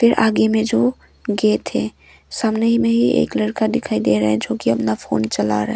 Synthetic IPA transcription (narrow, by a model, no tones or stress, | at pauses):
pʰɪɾʔaːɡemẽd͡ʒoː | ɡet̪ʰẽ | saːmneɦimẽɦiḛːkləɽkad̪ɪkʰaːid̪eɾəɦɛ̃d͡ʒoːkiɐpnapʰo̰ːnt͡ʃɐla̰ɾəɦɛ